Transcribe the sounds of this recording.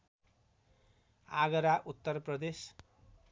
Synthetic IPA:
aɡʌɾaʔut̪ːʌrprʌd̪es

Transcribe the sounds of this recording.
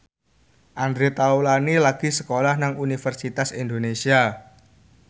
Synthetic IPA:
ʔand̪ɾet̪aulanilaɡ̥i̤səkolahnaŋunifərsit̪asind̪onesia

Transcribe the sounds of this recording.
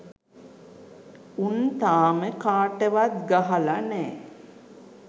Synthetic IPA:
unt̪aːməkaːʈəʋat̪ɡaɦalanɛː

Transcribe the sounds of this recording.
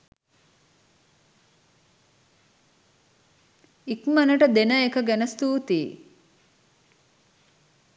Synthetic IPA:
ikmɐnəʈəd̪enəekəɡænəst̪uːt̪iː

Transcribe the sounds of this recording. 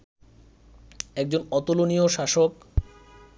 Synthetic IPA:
ɛk̚d͡ʑonɔt̪olonioʃaʃok

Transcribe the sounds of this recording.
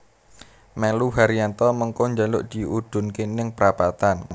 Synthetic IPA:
mɛluhaɾiant̪ɔməŋkɔɲd͡ʒalʊʔd̪̥i̤ud̪̥ʊ̤nkenɪŋpəɾapat̪an

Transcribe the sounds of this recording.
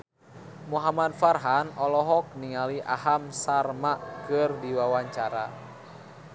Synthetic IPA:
muɦamadfarɦanɔlɔɦɔk̚niŋaliʔa̰ɦamsarmaʔkɨrdiwawaɲt͡ʃaɾa̰

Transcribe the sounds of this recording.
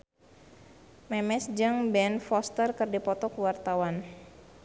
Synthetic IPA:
mɛmɛsd͡ʒaŋbɛnfɔst̪ərkɨrdipɔt̪ɔkəwart̪awan

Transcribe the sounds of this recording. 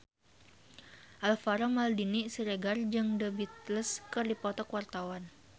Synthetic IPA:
ʔalfaɾɔmaldinisiɾeɡard͡ʒɨŋdəbit̪ləskərdipɔt̪ɔkwart̪awan

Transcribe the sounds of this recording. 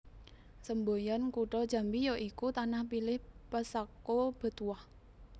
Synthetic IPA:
səmbojankuʈɔd̥ʒ̥a̤mbijɔʔikut̪anahpilɪhpəsakob̥ə̤t̪uwah

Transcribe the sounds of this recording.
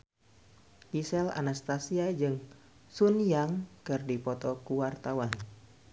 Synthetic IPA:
hisɛla̰nast̪asiad͡ʒɨŋ | sunjaŋkɨrdipɔt̪ɔkuwart̪awan

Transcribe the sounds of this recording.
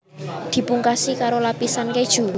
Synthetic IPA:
d̪̥i̤puŋkasikaɾolapisanked̥ʒ̥ṳ

